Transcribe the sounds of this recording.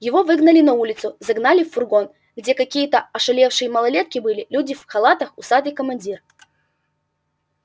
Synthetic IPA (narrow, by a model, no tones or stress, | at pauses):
jɪvo̞vɨɡnəlʲɪnɐulʲɪt̪sʊzɐɡnalʲɪfːʊrɡo̞n | ɡdʲe̞kɐkʲijət̪əɐʂɨlʲefʂɨjəmɐlˠɐlʲe̞t̪kʲɪbɨlʲɪlʲudʲɪfxɐlˠat̪əxʊsad̪ɨkəmɐnʲdʲir